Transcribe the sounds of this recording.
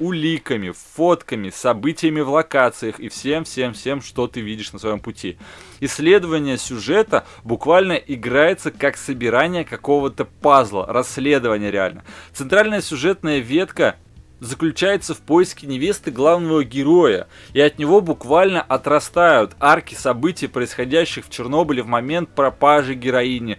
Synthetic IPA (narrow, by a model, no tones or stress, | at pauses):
ʊlʲikəmʲɪfot̪kəmʲɪsɐbɨtʲɪjəmʲɪvlˠɐkat̪sɨjəxifsʲe̞mfsʲe̞mfsʲe̞mʂt̪o̞t̪ɨvʲidʲɪʂnəsvɐjo̞mpʊtʲʰiɪsʲːlʲe̞d̪əvənʲɪjəsʲʊʐɛt̪ə | bʊkvalʲnəʔɪɡɾajɪt̪səkaksəbʲɪɾanʲɪjəkɐko̞vət̪əpazlˠə̰rɐsʲːlʲe̞d̪əvənʲɪjəɾʲɪa̰lʲnə̰t̪sɨnt̪ɾalʲnəjəsʲʊʐɛt̪nəjəvʲe̞t̪kə | zəklʲʉt͡ɕæjɪt̪səfpo̞jɪskʲɪnʲɪvʲest̪ɨɡlˠavnəvəɡʲɪɾo̞jə̰ | iɐt̪nʲɪvo̞bʊkvalʲnəʔɐt̪ɾɐst̪ajʊt̪arkʲɪsɐbɨtʲɪjpɾəɪsxɐdʲæɕːɪxft͡ɕɪrno̞bəlʲɪvmɐmʲe̞nt̪̚pɾɐpaʐɨɡʲɪɾɐinʲɪ